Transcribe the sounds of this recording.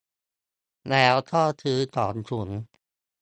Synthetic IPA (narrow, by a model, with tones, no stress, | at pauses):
nɛː˦˥wt̪ʰɔː˥˩t̪ʰɯː˦˥t̪ɔː˨˩˦nt͡ɕʰu˨˩˦ŋ